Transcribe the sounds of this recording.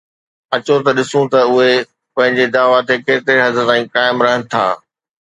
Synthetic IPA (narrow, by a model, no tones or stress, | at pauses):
ɐt͡ɕot̪ɐɗɪsũt̪ɐʊɦe | pɐ̃ɦɪ̃ɲd͡ʑed̪aːʋat̪ekeːt̪ɾeɦɐzəət̪ãːĩkaːɪmɾɐɦənɪ̆t̪ʰa̰ː